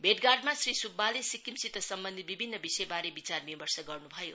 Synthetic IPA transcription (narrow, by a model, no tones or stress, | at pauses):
bʱeʈɡarɖmasrisubːalesikːimsit̪ʌsʌmbʌnd̪ʱit̪̚bibʱinːʌbisʌjbaɾebit͡sarmibʌrsʌɡʌrnubʱʌjo̰